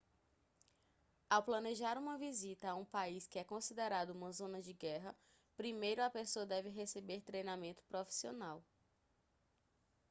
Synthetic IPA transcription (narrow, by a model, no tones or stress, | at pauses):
awplɐ̃neʒaɾũmɐvizit̪ɐaũpaiskɪɛkõsid̪eɾad̪ʊũmɐzõnɐd͡ʒɪɡɛɦɐ | pɾimejɾʊɐpesoɐd̪ɛvɪɦesebeɾt̪ɾejnamẽnt̪ʊ̥pɾofi̥sionaw